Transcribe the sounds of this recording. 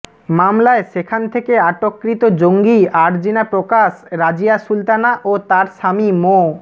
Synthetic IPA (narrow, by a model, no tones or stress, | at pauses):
mamlaeʃekʰant̪ʰekeaʈokːɾit̪od͡ʑoŋɡiaɾd͡ʑinapɾokaʃɾad͡ʑijaʃult̪anaʔot̪aɾʃamimo